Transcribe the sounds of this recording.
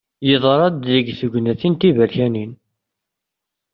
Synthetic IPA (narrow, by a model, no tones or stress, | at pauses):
jəðˤəɾˤɑd̪ːəɡθəɡnæθint̪ivælçænin